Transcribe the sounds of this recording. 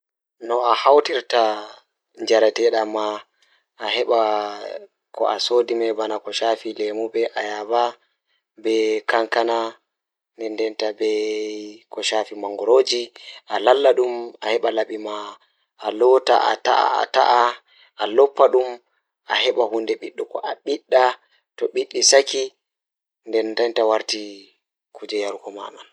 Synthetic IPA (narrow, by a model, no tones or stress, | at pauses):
nɔahawtiɾta | ɲd͡ʒaɾatɛɗamaː | ɦɛɓa | kɔ̰ʔasoːdimɛbanakɔʃafilemuɓɛʔajaba | bɛkaŋkana | nɛndɛntabɛ | kɔʃafimaŋɡɔɾoːd͡ʒiʔalalːaɗumahɛɓalaɓima | ʔːlɔta̰ʔa̰ta̰ʔa̰a̰ta̰ʔa | ʔalɔpːaɗum | ʔahɛɓahundɛɓiɗːukɔʔaɓiɗːa | tɔɓiɗːisaki | ndɛndɛntawaɾti | kʰud͡ʒɛjaɾkɔma̰man